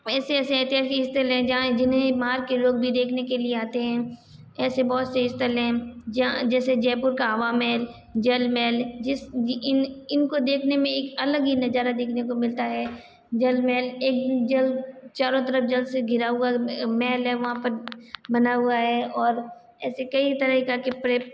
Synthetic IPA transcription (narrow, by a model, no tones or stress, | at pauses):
ɛːseɛːseɛːt̪ɪjaːsiɦɪst̪əlɦɛ̃d͡ʒɐɦãd͡ʒɪnɦẽmaːɾkeloːɡ̚bʱid̪eːkʰnekelieaːt̪eɦɛ̃ː | ɛːsebɔːt̪seɦɪst̪əlɦɛ̃ːd͡ʒãd͡ʒɛːsed͡ʒɛːpʊɾkaɦɐʋaːmɛːl | d͡ʒɐlmɛːld͡ʒɪsɪnɪnkod̪eːkʰnemẽeːkɐləɡinɐzaːɾad̪eːkʰnekomɪlt̪aɦɛː | d͡ʒəlmɛːleːk̚d͡ʒəlt͡ʃaːɾõt̪̬əɾəfd͡ʒɐlseɡʱɪɾaɦʊamɛːlɦɛʋɐɦãpəɾbɐnaɦʊaɦɛːɔːɾ | ɛːsekɐit̪ɐɾəɦikakɪpɾe